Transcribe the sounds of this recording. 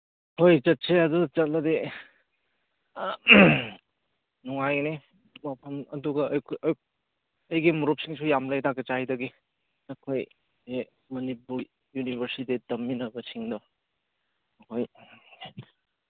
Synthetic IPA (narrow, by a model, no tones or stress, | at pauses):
hojt͡ʃɐt̚seɐdudɐt͡ʃɐt̚lɐde | nuŋajne | mɐpʰɐmɐduɡɐjkʰ | ɐjɡimuɾup̚siŋsujamlajtaɡet͡ʃajdɐɡi | ɐkʰoj | e | mɐnipuɾ | junibʱɐɾsitedɐmːinɐbɐsiŋdɔ | ɐkʰoj